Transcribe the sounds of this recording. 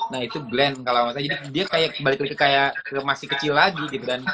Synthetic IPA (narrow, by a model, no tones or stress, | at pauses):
nahit̪uɡlɛnkalamas̬aad͡ʒadidiakajak̚balɪkləkəkajakəmasɪhkət͡ʃilːaɡiɡit̪udan